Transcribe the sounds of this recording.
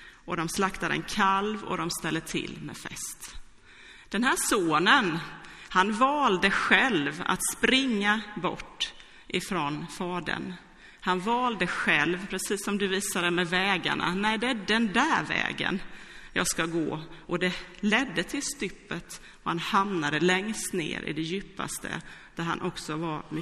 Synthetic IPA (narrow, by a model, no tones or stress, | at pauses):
ʔɔd̪ɔmslakt̪ad̪əɛ̰nkʰalvɔ̰d̪ɔmst̪ɛlːət̪ʰɪ̰lːmɛ̰fɛ̰st̪ | d̪̥ɛnhæːʂoːnənhanvɑːld̪əɧɛlva̰t̪spɾɪŋːabɔ̰ʈː | ʔɪfɾɔnfɑːd̪ə̰n | hanvɑːld̪əɧɛlvpʰɾɛsiːsːɔmd̪ɵviːsad̪əmɛvɛːɡa̰ɳa̰næɪd̪ɛæɖɛnd̪æɾvɛ̰ːɡə̰njɑ̰ːɡskaɡo̰ːʔɔd̪ɛlɛd̪ːət̪ʰɪlst̪ʏpːət̪ | ɔhanhamnad̪əlɛŋst̪nḛːɾʔɪ̰d̪ɛjʉːpːa̰st̪ʰə̰d̪̥æɾha̰nʔɔksɔvaɾm